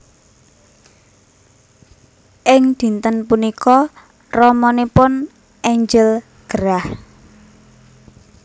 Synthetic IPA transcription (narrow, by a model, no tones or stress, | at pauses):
ʔɪŋd̪̥i̤nt̪ənpunikɔ | rɔmɔnepʊn | ʔɛɲd͡ʒəl | ɡ̥əɾah